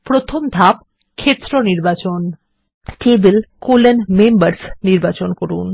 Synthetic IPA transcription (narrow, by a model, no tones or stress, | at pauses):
pɾot̪ʰomd̪ʱap̚ | kʰet̪ːɾoniɾbat͡ɕon | ʈebelkolenmembaɾsniɾbat͡ɕonkoɾun